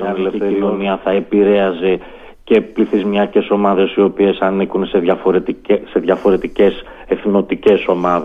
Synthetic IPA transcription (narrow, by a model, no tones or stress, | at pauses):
ɐelefiθeɾoniɐθɐe̞piɾe̞ɐze | ce̞pliθizmiɐce̞so̞mɐðe̞sio̞pie̞sɐnikunse̞ðʝɐfo̞ɾet̪se̞ðʝɐfo̞ɾe̞t̪ice̞s | e̞θno̞t̪ice̞so̞mɐðe